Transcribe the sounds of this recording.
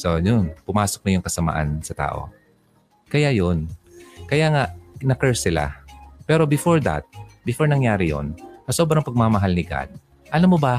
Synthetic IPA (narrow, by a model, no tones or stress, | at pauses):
sonjonpʊmaːsok̚nɐjʊŋkɐsɐma̰ʔa̰nsɐt̪a̰ːʔo̞̰ | kɐjajonkɐjaŋaʔnɐkɛɹsɪla̰pɛːɾo̞bɪfoɹd̪a̰t̪̚bɪfoɹnɐŋjaːɾɪjo̰nkɐsoːbɾɐŋpɐɡ̚mamɐɦalnɪɡa̰d̪̚ | ʔɐlamːobɐ